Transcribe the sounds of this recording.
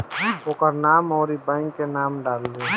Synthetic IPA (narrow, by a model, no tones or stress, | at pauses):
oːkəɾnaːmɔːɾibɛ̃ːŋkːenaːmɖaːld̪e